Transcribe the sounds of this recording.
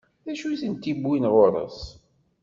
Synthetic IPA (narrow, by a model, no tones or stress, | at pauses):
ðæʃuθənt̪ːibwinʁoɾˤə̰s